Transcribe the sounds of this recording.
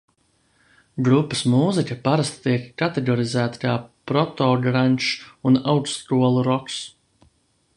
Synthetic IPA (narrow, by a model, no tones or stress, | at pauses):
ɡɾupːɐsmuːzikɐpaɾast̪t̪iɛkːat̪ɛɡɔɾizæːt̪ḁkaːpɾɔt̪ɔːɡɾanʲt͡ʃunawkskuɔlˠuɾɔks